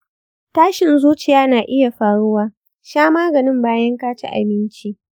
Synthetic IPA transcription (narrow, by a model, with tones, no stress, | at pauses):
taː˦ʃɪ˨nzuː˦t͡ʃɪ˨jaː˦naː˨ʔɪ˦ja˨ɸaː˨ɽʊ˦waː˦ | ʃaː˦maː˦ɡɐ˨nɪ˦mbaː˦jɐ˦ŋkaː˦t͡ʃḭ˦ʔa̰˨bɪ˦nt͡ʃiː˦ʔ